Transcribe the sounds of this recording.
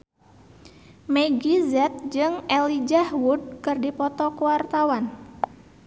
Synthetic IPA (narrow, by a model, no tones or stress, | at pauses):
mɛɡizɛt̪̚d͡ʒɨŋɛlid͡ʒahwud̚kɨrdipɔt̪ɔkuwart̪awan